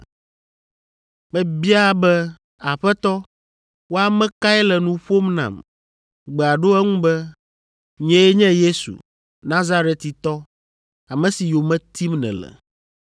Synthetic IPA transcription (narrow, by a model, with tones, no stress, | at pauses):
mɛ̃˦bi˦a˦bɛ˦ | a˨ɸɛ˦t̪ɔ˦ | wo˦a˦mɛ̃˦ka˦ɛ˦lɛ˨nũ˨ɸo˦mnã̰˨m | ɡ͡bɛ˨a˨ɖo˦ɛ˦ŋũ˦bɛ˦ | ɲɛ̃˦e˦ɲɛ̃˦je˦sṵ˨ | nã˦za˦ɾe˦t̪ːi˨t̪ɔ˦ | a˨mɛ̃˦si˨jo˨mɛ̃˦t̪ʰi˦mnɛ̰̃˨lɛ̰˨